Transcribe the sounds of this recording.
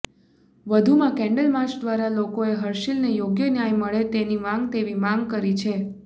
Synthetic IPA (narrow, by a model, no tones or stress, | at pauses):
ʋəd̪ʱumãkɛ̃ɳɖəlmat͡ʃd̪ʋaɾalokoeɦəɾʃilnejoɡjənjajməɭet̪enimãŋɡt̪eʋimãŋɡkəɾit͡ʃʰe